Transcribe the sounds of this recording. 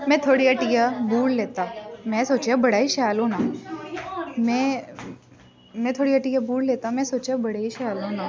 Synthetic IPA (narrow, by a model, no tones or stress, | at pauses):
mɛ̃ːt̪ʰoːɽiaʈijabʱuːɽleːt̪amɛ̃soːt͡ʃeabɐɽaːiʃaːlɦõnaː | mɛ̃ | mɛ̃t̪ʰoːɽiɐʈijabuːɽleːt̪amɛ̃ːsoːt͡ʃabɐɽeiʃaːlõnaː